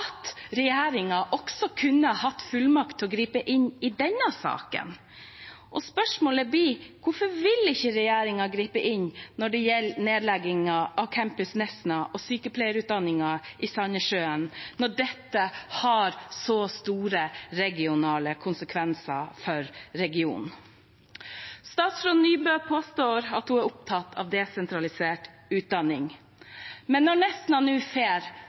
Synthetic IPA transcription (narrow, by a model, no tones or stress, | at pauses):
ɑt̪ɾɛjeːɾɪŋɑʔɔksɔkʰʉnːəhɑt̪ːfʉlmɑkt̪ʰːɪɔɡɾiːpəʔɪnɪd̪ɛnːəsɑ̰ːkə̰n | ʔɔspœʂmoːləbiːkʊfɔɾʋɪlɪçːəɾɛjeːɾɪŋɑɡɾiːpəʔɪɲːnɔɖɛjɛlːneːd̪lɛɡɪŋɑʔɑʋkʰæmpʉsnɛsnɑʔɔsyːkəpʰlɛɪəɾʉːt̪̚d̪ɑnːɪŋɑɪsɑnəʂøːənnːɔɖɛt̪ːəhɑɾsɔst̪uːɾəɾɛɡɪʊnɑːləkʰʊnsəkʰʋɛnsəfɔɾːɛɡɪṵːn | st̪ɑːt̪sfɾʊnnyːbøːpʰoːst̪oːɾɑt̪hʊæɾʊp̚t̪ʰɑt̪ːʰɑ̰ʋd̪ɛsɛnt̪ɾɑlɪseːʈ | ʉːt̪̚d̪ɑnːɪŋ | mɛnːɔɳɛsnɑnʉːfeːɾ